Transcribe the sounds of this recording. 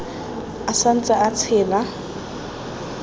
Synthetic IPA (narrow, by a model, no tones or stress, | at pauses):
asan̩t͡sʼaat͡sʰɛːla